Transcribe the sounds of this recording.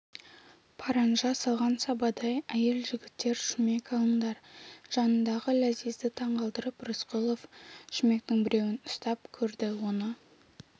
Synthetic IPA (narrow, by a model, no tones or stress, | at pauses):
pʰɑɾɑnʒɑsɑlˠʁɑnsɑbɑd̪ɑjæje̞lʒɪɡʲɪt̪ːe̞ɾʃʏme̞kʰɑlˠənd̪ɑɾʒ̥ɑnənd̪ɑʁəlæzijzd̪ɪt̪ʰɑɴʁɑlˠd̪əɾəprʊsqʊlˠo̞fʃɪme̞k̚t̪ɪŋbɪɾe̞wɪnʊst̪ɑp̚kʲʰɵɾd̪ɪwo̞nə